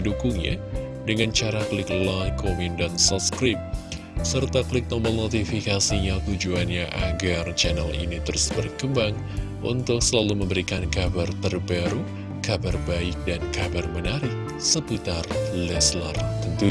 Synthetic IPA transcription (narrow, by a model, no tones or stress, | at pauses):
dukuŋɲa̰ | dəŋant͡ʃaɾaklɪklajkʰomindansɔt̚skɾɪp̚ | sərt̪akəlɪk̚t̪ɔməlnot̪ifikasiɲat̪ud͡ʒuanɲaʔaɡart͡ʃɛnalḭnit̪əɾʊsbərkəmbaŋ | ʔṵnt̪ʊk̚səlaluməmbəɾikankabart̪ərbaɾu | kabarbaɪk̚dankabarmənaɾɪk̚ | səput̪arlɛslərt̪ənt̪u